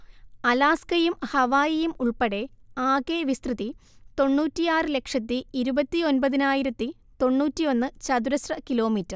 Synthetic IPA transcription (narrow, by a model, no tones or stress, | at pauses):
ɐlaːskɐjumhɐʋaːjɐjumuɭpeɽe̞aːkeːʋist̪rɨðit̪o̞ɳːuːtːijaːrɨle̞kʂɐt̪ːiiɾubɐt̪ːio̞nbɐðinaːjiɾɐt̪ːi | t̪o̞ɳːuːtːijo̞nːɨt͡ɕɐd̪uɾɐsrɐkilo̞ːmiːtːɐr